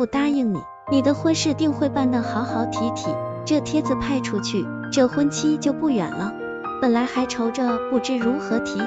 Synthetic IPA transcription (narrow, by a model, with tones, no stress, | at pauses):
u˥˩t̪a˥i˥˩ŋnḭ˨˩˦ni˨˩d̪ə˦xwə˥nʂɻ̩˥˧t̪i˥˧ŋxwe˥˧ɪpa˥˧nt̪ɑ˥˩xɑ˧˥ʊxɑ˧˥ʊt̪ʰi˧˥t̪ʰi˨˩˦ | ʈ͡ʂɤ˥˩t̪ʰjɛ˥t͡sɹ̩˧pʰa˥˩ɪʈ͡ʂʰu˥t͡ɕʰy˥˩ | ʈ͡ʂɤ˥˩xwə˥nt͡ɕʰi˥t͡ɕjo˥˧ʊpu˥˩ɥɛ̰˨˩nlə˦ | pə˨˩nla˧˥ɪxa˧˥ɪʈ͡ʂʰo˧˥ʊʈ͡ʂə˧pu˥˩ʈ͡ʂɻ̩˥˩ɻu˧˥xɤ˧˥t̪ʰi˧˥